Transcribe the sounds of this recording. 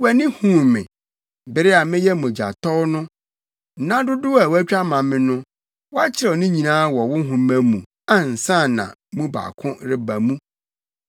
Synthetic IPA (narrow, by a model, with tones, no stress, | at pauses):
wɛ˨nɪ̃˦hũ˦mɪ̰̃˨ | bɪ˨ɾɪ˦a˨mɪ̃˦jɛ˦mʊ̃˨d͡ʑa̰˨tʰɔ˦wnʊ̃˦˨ | nã˦dʊ˦dʊ˦a˨wæ˦t͡ɕᶣa˦mã˨mːɪ̃˦nʊ̃˦ | wɔ˦a˦t͡ɕʰɪ˦ɾɛ˨nʊ̃˦ɲĩ˨nãː˦wɔ˨wʊ˦ɦʊ̃˨mæ̃˨mũ˨ | a˨n̩˨sã˦˨nã̰˨mũ˦ba̰˨kʰʊ̃˦ɾɪ˦ba˨mũ˦